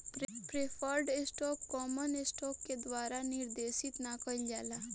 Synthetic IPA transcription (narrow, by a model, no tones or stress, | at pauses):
pɾpɾepʰəɾɖɪsʈɔːpkɔːmənɪsʈɔːpked̪ʋaːɾanɪɾd̪eːsɪt̪nakəild͡ʒaːla